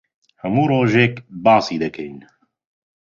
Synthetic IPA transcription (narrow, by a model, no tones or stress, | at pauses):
hɐmuːɾoːʒeːkbɑːsiːd̪ɐkʰɛjn